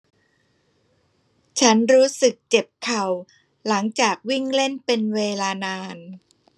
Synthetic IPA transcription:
t͡ɕʰa˦˥nɾuː˦˥sɯ˨˩k̚t͡ɕe˨˩p̚kʰa˨˩w | la˩˦ŋt͡ɕaː˨˩k̚wi˥˩ŋle˥˩npe˧nweː˧laː˧naː˧n

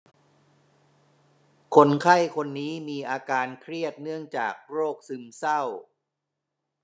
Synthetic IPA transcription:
kʰo˧nkʰa˥˩jkʰo˧nːiː˦˥miː˧ʔaː˧kaː˧nkʰɾi˥˩ət̪̚nɯ˥˩əŋt͡ɕaː˨˩k̚ɾoː˥˩k̚sɯ˧msa˥˩w

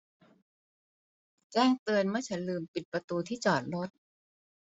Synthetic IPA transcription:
t͡ɕɛː˥˩ŋt̪ɯ˧ənmɯ˥˩ət͡ɕʰa˦˥nlɯː˧mpi˨˩t̪̚pɾa˧t̪uː˧t̪ʰiː˥˩t͡ɕɔː˨˩t̪̚lo˦˥t̪̚

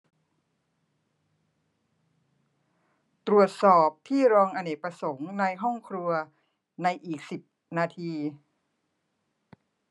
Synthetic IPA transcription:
t̪ɾu˨˩ət̪̚sɔː˨˩p̚t̪ʰiː˥˩ɾɔː˧ŋʔa˧ne˨˩pɾa˧so˩˦ŋna˧jɦɔ˥˩ŋkʰɾu˧ɐ | na˧jʔiː˨˩k̚si˨˩p̚ | naː˧t̪ʰiː˧

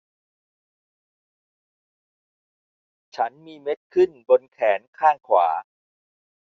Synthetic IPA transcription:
t͡ɕʰa˦˥nmiː˧me˦˥t̪̚kʰɯ˥˩nbo˧nkʰɛː˩˦nkʰaː˥˩ŋkʰwa̰ː˩˦

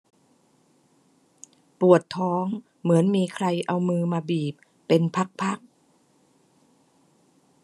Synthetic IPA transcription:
pu˨˩ət̪ʰːɔː˦˥ŋ | mɯ˩˦ənmiː˧kʰɾa˧jʔa˧wmɯː˧maː˧biː˨˩p̚ːe˧npʰa˦˥k̚pʰa˦˥˩k̚

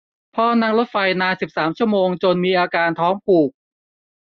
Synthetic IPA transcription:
pʰɔː˥˩na˦˥˩ŋlo˦˥t̪̚fa˧jnaː˧nsi˨˩p̚saː˩˦mt͡ɕʰu˥˩əmoː˧ŋt͡ɕo˧nmiː˧ʔaː˧kaː˧nt̪ʰɔː˦˥ŋpʰuː˨˩k̚

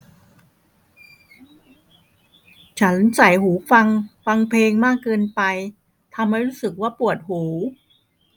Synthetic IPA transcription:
t͡ɕʰa˦˥nsa˨˩jɦuː˩˦fa˧ŋfa˧ŋpʰeː˧ŋmaː˥˩kːɤː˧npa˧j | t̪ʰa˧mːa˥˩jɾuː˦˥sɯ˨˩k̚waː˥˩pu˨˩ət̪̚huː˩˦

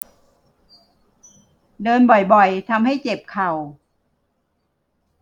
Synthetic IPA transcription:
dɤː˧nbɔ˨˩jbɔ˨˩jt̪ʰa˧mha˥˩jt͡ɕe˨˩p̚kʰa˨˩w

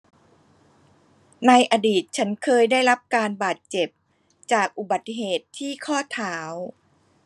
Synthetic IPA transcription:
na˧jʔaː˧diː˨˩t̪̚t͡ɕʰa˦˥nkʰɤː˧jdaː˥˩jɾa˦˥p̚kaː˧nbaː˨˩t̪̚t͡ɕe˨˩p̚ | t͡ɕaː˨˩k̚ʔu˨˩ba˨˩t̪ːi˧ɦeː˨˩t̪ʰːiː˥˩kʰɔː˥˩t̪ʰaː˩˦w

